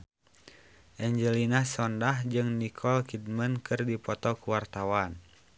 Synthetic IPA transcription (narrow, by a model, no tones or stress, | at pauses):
ʔɛɲd͡ʒəlinasɔndahd͡ʒɨŋnikʰɔlkidmənkɨrdipɔt̪ɔkuwart̪awan